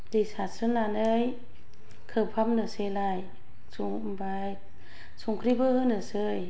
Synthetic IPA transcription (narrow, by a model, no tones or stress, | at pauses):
desasɯnanɯj | kʰɯpʰamnɯselaj | suŋmbaj | suŋkʰɾibɯɯnɯsɯj